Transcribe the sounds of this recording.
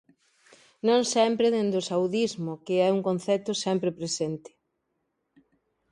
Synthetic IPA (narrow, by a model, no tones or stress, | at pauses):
nõŋsɛmpɾɪðend̪ʊsawðizmʊkɪɛuŋkõnθɛt̪ʊsɛmpɾɪpɾesent̪ɪ̥